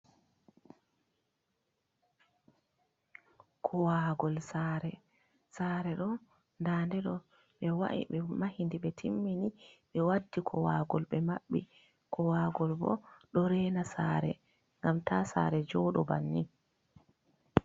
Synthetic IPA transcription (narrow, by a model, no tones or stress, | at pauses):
kʰɔwaːɡɔlsaɾɛ | saːɾɛɗɔn | ndaːndɛɗɔ | ɓɛwa̰ʔḭɓɛmahindiɓɛtʰimːiniɓɛwadːikʰɔwaːɡɔlɓɛmaɓːḭ | kʰɔwaːɡɔlbɔ̰ɗɔɾɛːnasaːɾɛ̰ | ŋɡamtʰasa̰ːɾɛd͡ʒɔɗɔba̰nːi